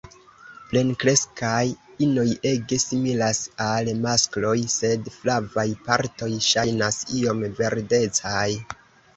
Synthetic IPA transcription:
ple̞nkɾe̞skajino̞je̞ɡe̞similasalmasklo̞jse̞dflavajpaɾto̞jʃajnasio̞mve̞ɾde̞t͡saj

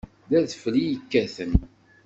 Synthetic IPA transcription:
ðæðflijəkːæθən

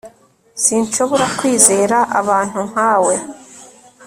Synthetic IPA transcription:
sinʃo̞βo̞ɾakwiːze̞ːɾaʔa̰βaːn̥huŋ̥haːwe̞

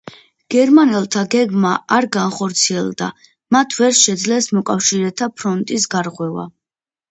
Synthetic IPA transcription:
ɡ̥ɛɾmanɛlˠt̪ʰaɡɛɡmaaɾɡanχɔɾt̪sʰiɛlˠd̪a̰ | mat̪ʰvɛɾʃɛd̪zlɛsmɔkʼafʃiɾɛt̪ʰapʰɾɔnt̪ʼisɡaɾʁwɛva̰

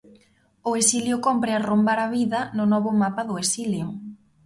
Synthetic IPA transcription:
ʊesiljʊkɔmpɾɪarombaɾaβiðɐnʊnɔβʊmapɐðʊesiljʊ

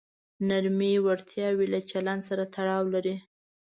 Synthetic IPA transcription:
naɾmiwaɾt̪jɑwilat͡ʃaland̪saɾat̪ʰaɽɑwlaɾi

